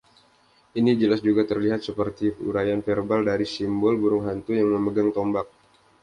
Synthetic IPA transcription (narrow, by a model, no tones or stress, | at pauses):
ʔinid͡ʒəlasd͡ʒuɡat̪ərliɦat̪̚səpərt̪iṵɾajanferbaldaɾisimbɔlbuɾʊŋɦant̪ujaŋməməɡaŋt̪ombak̚